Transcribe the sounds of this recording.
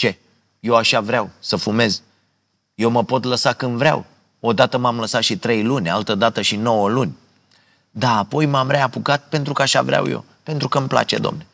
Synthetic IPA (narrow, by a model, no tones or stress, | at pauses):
t͡ʃe̞ | jewaʃavɾeawsəfume̞z | je̞wməpo̞t̪ləsakɨnd̪vɾea̰w | o̞d̪at̪əmamləsat̪ʃit̪ɾe̞jlunʲalt̪əd̪at̪əʃino̞wəlunʲ | d̪aːpo̞jmamɾeapukat̪̚pe̞nt̪ɾukəaʃa̰vɾea̰wjḛw | pent̪ɾukəmpla̰t͡ʃe̞d̪oo̰mne